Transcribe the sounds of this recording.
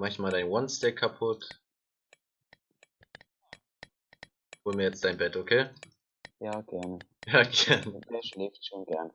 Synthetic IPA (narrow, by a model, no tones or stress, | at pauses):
mançmaːldaɪnwɔnstɛkʰːapʰʊt | hoːlmiːɐjɛt͡std̥aɪnbɛtʔokʰeː | jaːɡ̥ɛɐnə | jaːɡɛɐndeːɐʃlɛːftʃoːnɡɛɐnə